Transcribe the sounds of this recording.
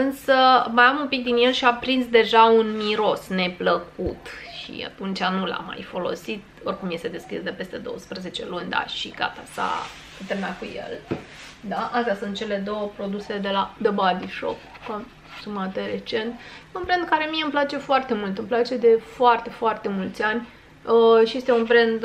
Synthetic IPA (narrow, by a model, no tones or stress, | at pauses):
ɨnsəməjamumpik̚d̪inje̞lʃiapɾinsd̪e̞ʒaunmiɾo̞sne̞pləkut̪ʃḭa̰t̪unt͡ʃʲanula̰ma̰jfo̞lo̞̰sit̪̚o̞rʲkumje̞st̪e̞d̪e̞skʲisd̪e̞pe̞st̪e̞d̪o̞̰wəspɾəze̞t͡ʃe̞lunʲd̪a̰ʃḭɡ̥a̰t̪a̰sa̰ | ɨt̪eɾmakujḛl | d̪aʔast̪jasunt̪̚t͡ʃe̞le̞d̪o̞wəpɾo̞d̪use̞d̪e̞lad̪əbad̪iʃo̰k | kon | sumat̪eɾe̞t͡ʃe̞nt̪unbɾend̪̚kaɾe̞mieɨmplat͡ʃe̞foart̪e̞mult̪ɨmplat͡ʃe̞d̪e̞foart̪e̞foart̪e̞mult̪sʲanʲ | əʃije̞st̪eunbɾend̪